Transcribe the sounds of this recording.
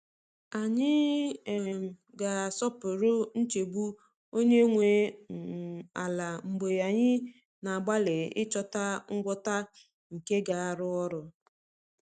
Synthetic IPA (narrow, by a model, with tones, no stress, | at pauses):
a˨ɲɪ˦˨ | m̩˨ | ɡa˨sɔ˦pʊ˨ɾʊ˦n̩˦t͡ʃe˨bu˦ | o˦ɲe˦ŋʷe˨ | a̰˨la˨m̩˨bo˨ja˨ɲɪ˦ | na˨ɡ͡ba˦le˨ɪ̰˦t͡ʃɔ˦ta˦ŋ̩˦ɡʷɔ˦ta˦ | ŋ̩˨ke˦ɡa˨a˦ɾʊ˦ɔ˦ɾʊ˨